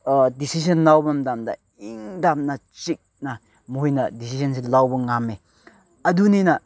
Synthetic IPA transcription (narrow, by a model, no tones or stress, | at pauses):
disisɐnlawbɐmdamdɐ̰ | iŋdamnɐt͡ʃik̚nɐ | muɦjnɐdisisɐns̬ilawbɐŋame | ɐduninɐ